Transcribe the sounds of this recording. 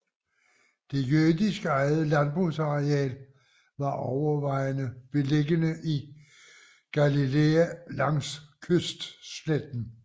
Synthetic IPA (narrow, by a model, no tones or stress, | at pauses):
d̥e̝jøɐdisɡ̥əɑ̈ɪð̩ˠlænb̥ʁusɑ̈ʁeɛ̰ːl | ʋɑ̈ʔɒʊɐʋɑ̈ɪnəb̥e̝leɡənəʔi | ɡ̥ælileælɑ̈ŋskʰøsd̥sled̥n̩